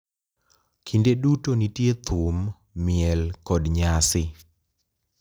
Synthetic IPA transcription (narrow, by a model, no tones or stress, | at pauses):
kʰindedutonitjet̪ʰʊmː | ɪɛlkɔdɲasɪ